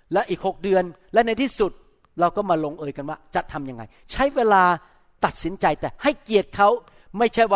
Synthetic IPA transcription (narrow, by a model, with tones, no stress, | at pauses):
lɛ˦˥ʔiː˨˩k̚ho˨˩k̚dɯ˧ənlɛ˦˥na˧jt̪ʰiː˥˩su˨˩t̪̚ | ɾa˧wkɔː˥˩maː˧loː˧ŋʔɤː˧jka˧nwaː˥˩t͡ɕa˨˩t̪ʰːa˧mja˧ŋːa̰˧j | t͡ɕʰa˦˥jweː˧laː˧ | t̪a˨˩t̪̚si˩˦nt͡ɕa˧jt̪ɛː˨˩ha˥˩jki˨˩ət̪̚kʰa˦˥w | ma˥˩jt͡ɕʰa˥˩jwa˥˩